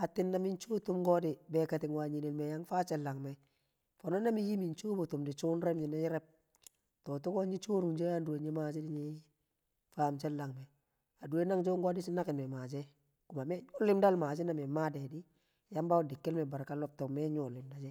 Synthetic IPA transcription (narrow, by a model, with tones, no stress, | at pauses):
a˨tɪ˦nːa˦mi˦nt͡ʃo˦tu˦mɡɔ˦dɪ˨bɛ˨ka˨ti˨ŋwa˨ɲi˨ne˨lme˨ja˦ŋfa˦t͡ʃɛ˦lːa˨ŋmɛ˨ | fo˨no˦na˦mi˦ji˦mi˨nt͡ʃu˦bo˨tu˨mdi˨t͡ʃu˦nɾɛ˦mɲi˨na˦ji˦ɾɛ˦p̚ | to˨tu˦ko˦nd͡ʒi˦t͡ʃuː˦ɾu˨ŋd͡ʒo˦ja˦ndu˨e˨ɲe˦ma˨d͡ʒi˦di˦ɲi˦ | faː˦mt͡ʃɛ˦lːa˨ŋmɛ˨ | a˨du˨we˦na˦ŋd͡ʒo˦ŋɡɔ˦dɪ˦t͡ʃi˦na˦kɪ˨nme˨maː˨d͡ʒɛ˦ | ku˨ma˨mɛ˦ɲu˦lːɪ˦mda˦lmaː˨d͡ʒi˦na˨me˨ma˦de˨di˦ | ja˦mba˦dɪ˨kːi˦lmɛ˨ba˨ɾka˦lɔ˦p̚to˨kmɛ˦ɲu˨lːɪ˨mda˨d͡ʒɛ˦